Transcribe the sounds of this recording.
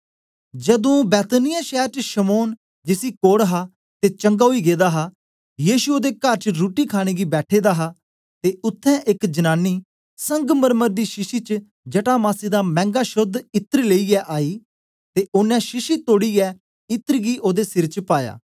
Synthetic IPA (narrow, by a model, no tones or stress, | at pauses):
d͡ʒəd̪õːbɛːt̪nɪjaːʃɛːɾt͡ʃʃəmoːn | d͡ʒɪsiːkoːɽɦaː | t̪eːt͡ʃə̃ŋɡaːɦoiːɡeːd̪aːɦaː | jiːʃuoːd̪eːkəɾt͡ʃɾuːʈiːkʰaːɽ̃eːɡiːbɛːʈʰeːd̪aːɦaː | t̪eːʊt̪ʰːɛ̃ːʔɪkd͡ʒənaːnːiː | sə̃ŋɡməɾməɾd̪iːʃɪʃiːt͡ʃ | d͡ʒəʈaːmaːsiːd̪aːmɛ̃ːŋɡaːʃʊd̪ɪt̪əɾleːiːɛːʔaːiː | t̪eːʔʊnɛ̃ːʃɪʃiːt̪oːɽiːɛː | ɪt̪əɾɡiːʔoːd̪eːsɪɾt͡ʃpaːja̰ː